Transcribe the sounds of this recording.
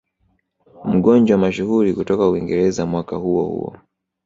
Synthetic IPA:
m̩ɠɔnd͡ʒawamaʃuhuɾikutɔkauiŋɡɛɾɛzamwakahuɔhṵɔ̰

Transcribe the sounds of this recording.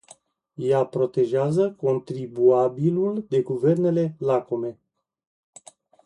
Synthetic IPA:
japɾo̞t̪e̞ʒeazəko̞nt̪ɾibuabiluld̪e̞ɡuve̞rne̞le̞lako̞me̞

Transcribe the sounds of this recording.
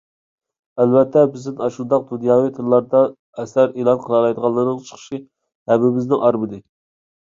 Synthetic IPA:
ælvɛt̪ʰːɛbɪznɪnɑʃund̪ɑq̚d̪unjɑːwijt̪ʰɨɾlˠɑɾd̪ɑ | ɛsæɾelˠɑnqʰəlˠɑɾˠɑjd̪əʁɑlːˠɨɾnɨŋt͡ʃʰə̥χʰə̥ʃi | hɛmɪmɪznɪŋɑɾbɨd̪ɨ

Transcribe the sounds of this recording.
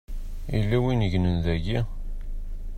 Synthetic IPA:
ḭlːæwinəʝnənðæʝi

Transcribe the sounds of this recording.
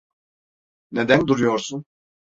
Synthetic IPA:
ned̪ænd̪uɾujoɾsun

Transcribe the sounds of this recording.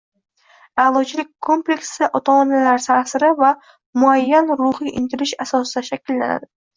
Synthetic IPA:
alˠɒt͡ʃʰɪlɪk̚ʲkʰːo̞mple̞kʲsɪʔot̪ʰomanalaɾt̪ʰasɪɾɪva | mʊajːanɾʊhijʔɪnt̪ʰɪlɪʃasɒsɪd̪aʃakʲɪlːana̰d̪ɪ

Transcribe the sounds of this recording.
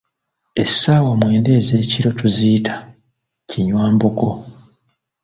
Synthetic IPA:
e̞sːaːwamwe̞ːnde̞ːze̞ːciɾo̞tuziːtʰḁ | ciɲwaːmbuko̞

